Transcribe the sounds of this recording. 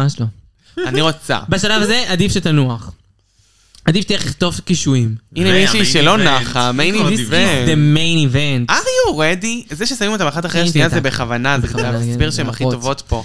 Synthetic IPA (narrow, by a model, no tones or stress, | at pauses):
aʃlo | aniʁot͡sa̰baʃalavazeʔad̪ifʃet̪anuaχ | adifʃt̪eeliχt̪o̞fkiʃuimʔinemiʃuiʃelo̞naχamejniivdemejnivent̪aʁjuʁed̪izeʃesamimot̪abeχat̪aχeʃnijazebeχavanaeaaaasbiʁʃeemaχitovo̞t̪po̞